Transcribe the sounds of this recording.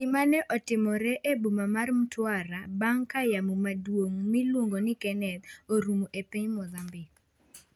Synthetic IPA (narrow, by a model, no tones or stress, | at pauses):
ɪmanɛʔɔtɪmɔɾɛʔebumamarm̩twaɾabaŋkajamumadwoŋmɪlwoŋɡonɪkɛnɛt̪oɾumoʔepiɲmɔðambɪ